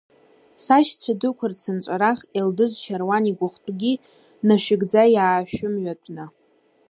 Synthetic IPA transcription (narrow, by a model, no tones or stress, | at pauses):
saʃt͡sʷʰadʊkʷʰʊrt͡sʰɨnt͡ʃʷʼaɾaχeldɨzt͡ʃʰarwaniɡʷʊχʷtʷʼɡʲi | naʃᶣɪɡd͡zajaːʃᶣʊmɥatʷʰʼna